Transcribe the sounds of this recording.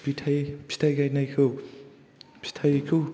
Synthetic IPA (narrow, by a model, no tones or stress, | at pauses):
pitʰajpʰi̥t̪ʰajɡajnajkʰɯ | pʰi̥t̪ʰajkʰu